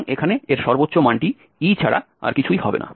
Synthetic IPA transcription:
ŋekʰaneeɾʃɔɾbotːɕomaɳʈi | it͡ɕʰaɽa̰ | a̰ɾkit͡ɕʰujhɔbḛna̰

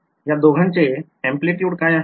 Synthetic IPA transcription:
jad̪oːɡʱənt͡ʃe | ɛ̃mpliʈjuːʈkaːja

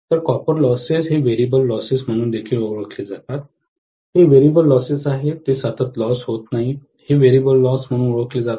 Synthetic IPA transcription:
t̪əɾkɔpəɾlɔsisɦeʋeɾibəlːɔsism̤əɽ̃uːnd̪ekʰiːloɭəkled͡zat̪at̪̚ | heʋeɾibəlːɔsisaɦet̪esət̪ʰət̪lɔsɦot̪naɦi | heʋeɾibəlːɔsm̤əɽ̃uːnoɭəkled͡za

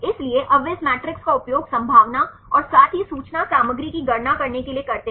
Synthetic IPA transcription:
ɪslieʔɐʋesmɛːʈɾɪkskaʊpjoːɡsɐ̃mbʱaːʋna | ɔːɾsaːt̪ʰɦisuːt͡ʃnasaːməɡɾikiɡɐɾnakɐɾnekeliekɐɾt̪e

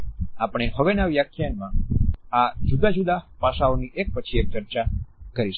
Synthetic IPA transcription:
apɽ̃eɦəʋenaʋjakʰjanmãad͡ʒud̪ad͡ʒud̪apaʃaoniʔek̚pət͡ʃʰiek̚t͡ʃəɾt͡ʃakəɾiʃ

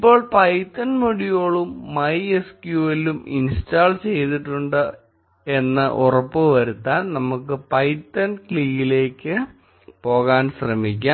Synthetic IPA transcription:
ipːo̞ːɭpɐjtːɐnmuɽijo̞ːɭumːɐjeskjuːɐlumḭnstaːlt͡ɕe̞jt̪iʈːuɳɖɨ | e̞nːɨ̰ʔurɐpːɨʋɐɾut̪ːaːnnɐmukːɨpɐjtːɐnkɭiːjile̞ːkʲːɨ | po̞ːɣaːnɕrɐmik̬ʲːa

